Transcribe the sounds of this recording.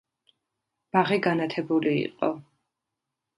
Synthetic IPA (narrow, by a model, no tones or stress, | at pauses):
b̥aʁiɡanat̪ʰɛbulḭːqʼɔ̰